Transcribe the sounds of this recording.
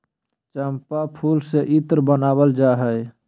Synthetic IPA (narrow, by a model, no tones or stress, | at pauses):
t͡ʃəmpapʰulseʔit̪ɾbənabəld͡ʒaɦəj